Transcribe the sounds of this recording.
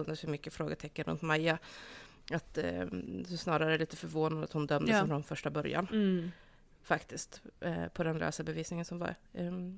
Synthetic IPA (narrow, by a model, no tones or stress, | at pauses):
ɵnd̪əshɵɾmʏkːəfɾoːɡət̪ʰɛkːənɾɵ̰nt̪maja | at̪ | hʊsnɑːɾaɾəæɭiːt̪əfœɾvoːnad̪at̪hʊnd̪œmd̪əsfɾɔnfœʂʈabœɾja̰n | fakt̪ɪskt̪pʰɔd̪ɛnlø̰ːsabɛviːsnɪŋənsɔmva̰ɾ